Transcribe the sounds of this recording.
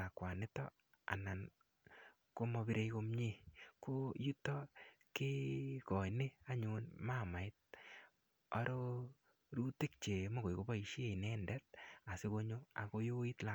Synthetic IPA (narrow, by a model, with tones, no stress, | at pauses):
a˨kwa˨nɪ˦tɔ̰˦ | a̰˨na˨n | ko˦mɔ˧bi˦ɾe˦jko˦mɲe˦ko˦ju˦tɔ˦ | kɪ˦kɔ˨jne˦a˦ɲunma˦˨ma˨ɪ˦t̚ | a˦ɾo˦ | ɾu˦ti˦k̚t͡ʃe˨mo˦ko˨jko˦ba˦i˨ʃe˨nɛ˦ndɛ˦t̚a˨sɪ˦ko˦ɲo˦a̰˨ko˦jo˦i˦tla˨